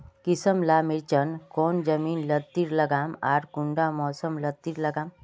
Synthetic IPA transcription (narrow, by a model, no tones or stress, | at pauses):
kisəmlaːmiɾt͡ʃənkoːnd͡ʒɐmiːnlɐt̪ːiɾlɐɡaːmaːɾkuɳɖamɔːsəmlət̪ːiɾlɐɡaːm